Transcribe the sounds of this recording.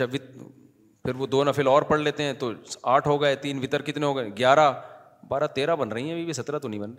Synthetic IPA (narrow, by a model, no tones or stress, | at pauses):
aʋɪ | pʰɪɾʋod̪oːnɐfʰɪlɔːɾpɐɽleːt̪eɦɛ̃ːt̪oaːʈʰɦoːɡɐɛt̪iːnʋɪt̪əɾkɪt̪neɦoːɡɐeɡjaːɾa | baːɾat̪eːɾabɐnɾɐɦĩɦɛ̃ɐbʱibʱisɐt̪ɾat̪onɐɦĩbɐne